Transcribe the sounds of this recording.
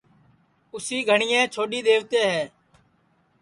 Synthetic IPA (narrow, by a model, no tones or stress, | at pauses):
ʊsiːɡʱəɳɪjɛ̃ːt͡ʃʰoːɗiːd̪eːʋt̪eːɦɛː